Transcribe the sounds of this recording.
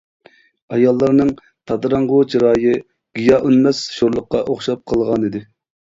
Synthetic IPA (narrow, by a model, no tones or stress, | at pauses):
ɑjɑlˠːɑɾnɨŋ | t̪ʰɑd̪ɾɑŋʁʊt͡ʃʰiɾɑːjɨ | ɡ̥ijɑʔynmɛsʃoɾlˠʊqːɑʔoχʃɑp̚qʰəlˠʁɑnid̪ɪ